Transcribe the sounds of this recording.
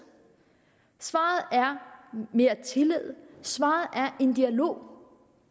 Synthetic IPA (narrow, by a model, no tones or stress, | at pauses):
sʋɑ̈ːð̞̩ˠæɐme̝ːɐt͡sʰe̝leð̞̰ˠsʋɑ̰̈ːð̞̩ˠʔæɐʔe̝nd̥iælo̝̰ː